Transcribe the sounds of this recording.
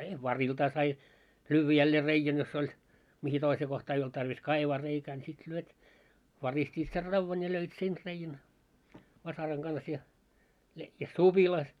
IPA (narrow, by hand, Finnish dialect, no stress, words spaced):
jɑ ʋɑriltɑː sɑi lyːʋːæ jælːeː reijæn jos olʲ mihi toiseː kohtɑː ei olt tɑrʋis kɑiʋɑː reikæː nʲi sit lyøt ʋɑristʲiːt ser rɑʋːɑn jɑ løit sen reijæn ʋɑsɑrɑŋ ɡ̊ɑns jɑ he jɑ sub̥ilɑ